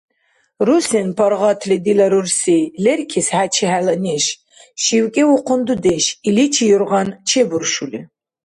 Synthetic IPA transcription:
rusenpʰɐɾʁɑt̪ʰlid̪ilɐɾursejlɛrkʲʰisħat͡ʃʰiħalɐneʃ | ʃiwkʼɛwʊqʰʊnd̪ud̪eʃilit͡ʃʰijuɾʁɑnt͡ʃʰebuɾʃulḭ

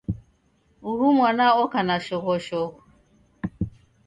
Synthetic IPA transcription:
uɦumwanaɔkanaʃɔɣɔʃɔɣʊ

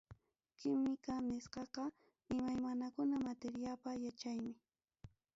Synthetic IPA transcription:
kɪmɪkanɪsqɑqɑ | ɪmajmanakʊnamat̪eɾjapajat͡ʃajmɪ

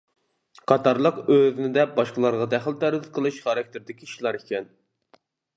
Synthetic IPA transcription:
qʰɑt̪ɑɾlˠəqøznɪd̪ɛbɑʃqəlˠɑɾʁɑd̪æχlt̪ʰæɾɪt̪̚qʰəlˠɨʃχɑɾɑk̚ʲt̪ʰɪɾd̪ɪkʲiiʃlˠɑɾikʲɛn

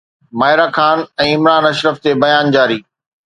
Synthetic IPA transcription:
maːɪɾaːxaːnɛ̃ːɪmɾaːnɐʃɾəft̪ebɐjaːnd͡ʑaːɾiː

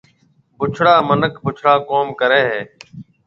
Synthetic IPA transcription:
bʱʊt͡ʃʰɽaːmənəkʰbʊt͡ʃʰɽaːkoːmkəɾeːɦeː

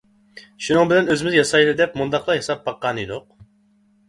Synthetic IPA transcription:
ʃunɨŋbɪlɛnøzɪmɪzjɑsɑjlɨd̪ɛpmund̪ɑqlˠɑɦesɑp̚bɑqːɑnid̪ʊq̚

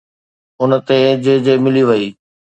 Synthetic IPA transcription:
ʊnə̆t̪ed͡ʑed͡ʑemɪliʋɐiː

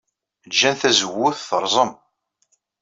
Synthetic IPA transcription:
lʒænθæzəwːʊθθəɾˤzˤəm

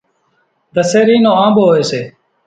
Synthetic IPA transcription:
d̪əseːɾiːnõːãːmboːeːseː

